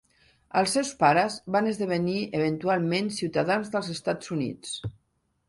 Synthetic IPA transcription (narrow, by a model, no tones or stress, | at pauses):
əlˠsːɛwspaɾəzβanəzðəβ̞əniəβ̞ənt̪ualˠmensiwt̪aðanzðəlˠzəst̪ad͡zunḭt͡s